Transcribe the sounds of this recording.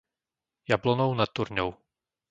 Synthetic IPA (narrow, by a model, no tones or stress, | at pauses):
jablɔnownat̪ːuɾɲɔw